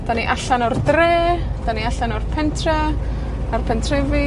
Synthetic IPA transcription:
d̥aniʔaɬanɔrdreːd̥aniaɬanɔrpʰɛntʰrɛ | arpʰɛntʰrɛvi

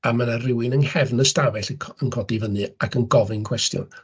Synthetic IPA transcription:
amanarɪwɪnənhɛvnəstabɛɬəənkʰɔdivənɨakʰənɡɔvɨnkʰw̥ɛstjʊ̰n

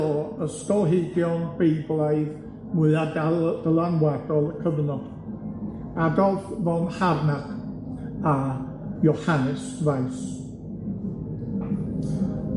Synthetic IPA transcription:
ɔəstɔlˠɦedjɔnbejblˠaɨð | mʊɨadd̥əlˠanwadɔlˠəkʰəvnɔd̥ | adɔfvɔnharnak | a | jɔhanɪsvajs

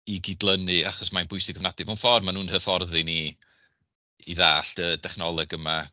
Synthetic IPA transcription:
iɡidlˠənɨaχɔsmanbʊjsɪɡəvnadɪvawnfɔrmanuːnhəfɔrðɨni | iðaːɬd̥ədʰɛχnɔlˠɛɡəma

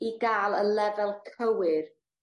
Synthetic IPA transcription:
iɡaːlˠəlɛvɛlˠkʰəwɪr

